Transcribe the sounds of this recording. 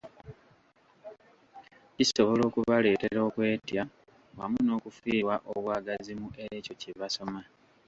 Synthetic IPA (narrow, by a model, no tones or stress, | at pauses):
iso̞βo̞lo̞ːkuβale̞ːte̞ɾo̞ːkwe̞ːtja | wamuno̞ːkufiːwaʔoβwaːɡazimuʔeco̞civaso̞ma